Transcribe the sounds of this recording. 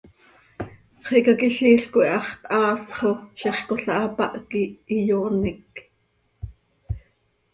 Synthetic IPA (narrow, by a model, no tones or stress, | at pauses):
χekɑkiɬiːɬkoʔiʔɑχt̪ʔɑːsχoʃɛχkoɬɑʔɑpɑ̰ʔkiːjoːnik